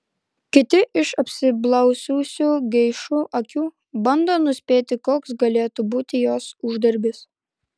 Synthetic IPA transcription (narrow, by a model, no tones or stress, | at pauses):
kʲɪt̪ʲɪʔɪʃɐpʲsʲɪblˠɐʊsʲuːsʲuːɡʲɛɪʃuʔɐkʲuː | bɐnd̪oːnʊsʲpʲeːt̪ʲɪkoːksɡɐlʲeːt̪ubuːt̪ʲɪjoːsʊʒd̪ɐɾʲbʲɪs